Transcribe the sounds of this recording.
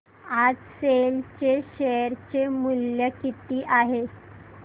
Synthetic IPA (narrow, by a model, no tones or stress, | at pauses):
ad͡zselt͡ɕeɕejəɾt͡ɕemuljəkit̪iːʔaɦe